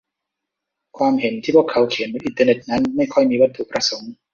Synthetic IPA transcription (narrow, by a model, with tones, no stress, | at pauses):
kʰwaː˧mhe˩˦nt̪ʰiː˥˩pʰu˥˩əkʰːa˩˦˥wkʰi˨˩˦nba˧nʔi˧nt̪əː˧ne˨˩t̪̚na˦˥nma˥˩jkʰɔ˥˩jmiː˧wa˧˥t̪ʰːu˨˩pɾa˧so˩˦ŋ